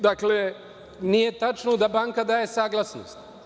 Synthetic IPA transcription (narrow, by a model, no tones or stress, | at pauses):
d̪akle | nije̞t̪at͡ʃnod̪abaːŋkad̪aːjesaːɡlˠasno̰st̪